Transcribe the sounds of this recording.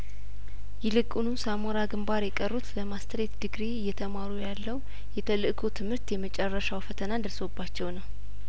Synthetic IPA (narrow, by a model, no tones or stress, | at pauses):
jɪlɨkʼːunusamoɾaɡɨmbaɾjɛkʼərːut̪ləmast̪ʰəɾe̞t̪d̪ɨɡɾejːɛt̪ʰəmaɾujalːəw | jɛt̪ʰəlɨʔɨkʰo̞t̪ʰɨmhɨɾt̪jɛmət͡ʃʼɛrːəʃawfət̪ʰənand̪əɾsobːat͡ʃːɛwnəw